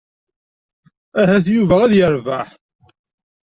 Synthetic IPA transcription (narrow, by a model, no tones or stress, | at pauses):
æɦæθjuvææðjəɾvaħ